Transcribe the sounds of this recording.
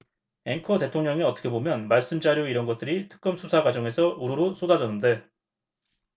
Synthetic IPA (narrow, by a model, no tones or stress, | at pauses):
e̞ŋkʰʌte̞tʰoŋɲʌŋiʌt͈ʌ̥kʰe̞bomjʌnmaɭs͈ɯmd͡ʑaɾjoiɾʌnɡʌt̚t͈ɯɾitʰɯ̥k̚k͈ʌmsʰusʰaɡwad͡ʑʌŋe̞sʰʌuɾuɾos͈odad͡ʑʌnːɯnde̞